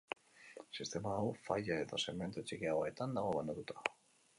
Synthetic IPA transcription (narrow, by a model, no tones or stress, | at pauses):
sist̪e̞maːwfaʎae̞ðo̞seme̞nt̪ot͡ʃikiaoe̞t̪and̪aɣ̞o̞βand̪at̪ut̪ʰḁ